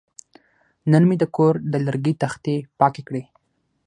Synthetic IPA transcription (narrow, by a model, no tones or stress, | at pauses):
nənmid̪əkoɾd̪əlaɾɡit̪axt̪epɑkekɽe